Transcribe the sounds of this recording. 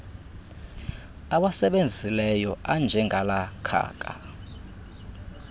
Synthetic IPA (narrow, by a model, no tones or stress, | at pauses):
aɓasɛɓend͡zʱilɛjɔʔand͡ʒʱɛŋɡʱalakʰa̰ːkʼa̰